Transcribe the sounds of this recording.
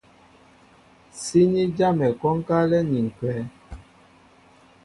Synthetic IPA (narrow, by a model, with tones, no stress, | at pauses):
si˦ɲi˦d͡ʒa˦mɛ˨kɔ˦ŋ˦ka˦lɛ˦ni˨ŋ̩˨kwɛː˨˦